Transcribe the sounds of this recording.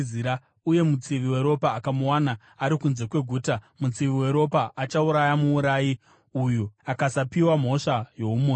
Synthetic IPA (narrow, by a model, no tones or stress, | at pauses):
iɾa | uje̞mut͡siʋiwe̞ɾo̞paːkamuwanaː | ɾikunze̞kwe̞ɡʱuːtamut͡siʋiwe̞ɾo̞paʔat͡ʃauɾajamuːɾaːji | ujuakasapiwam̤o̞ʂajo̞umo